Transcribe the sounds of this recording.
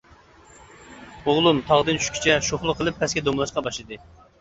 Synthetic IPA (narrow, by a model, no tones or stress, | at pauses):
oʁlˠumt̪ʰɑʁd̪ɨnt͡ʃʰy̥ʃkʲʰy̥t͡ʃʰɛʃoχlˠʊqʰːəlˠɨpʰːɛsɡʲɛd̪omlˠɑʃqɑbɑʃlˠɨd̪ɨ